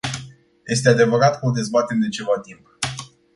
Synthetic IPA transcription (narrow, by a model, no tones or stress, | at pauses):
jʔe̞st̪ead̪e̞vəɾat̪kod̪e̞zbat̪e̞md̪e̞t͡ʃe̞vat̪imp